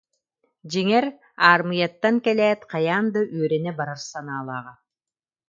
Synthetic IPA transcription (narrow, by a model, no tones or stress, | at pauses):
d͡ʒiŋɛɾ | aːɾmɯjat̪ːaŋkɛlɛːt̪qʰɑjaːnd̪ɯʔyœɾɛnɛbaɾaɾsanaːlˠɑːʁa